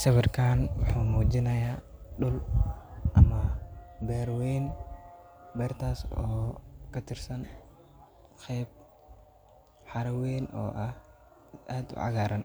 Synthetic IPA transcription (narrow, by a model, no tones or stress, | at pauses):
sɐwɪrkʰaːnwʊħuːmuːd͡ʒɪnɐjaːɗʊl | ʔɐmɐbɛːɾwɛːn | bɛːrt̪ʰaːsɔːkʰɐt̪ʰɪrsɐn | qɛːb̚ | ħɑɾɐwɛːnʔɔ̰ːʔɐh | aːd̪ʊ̰ʕɑ̰ɣaːɾɐn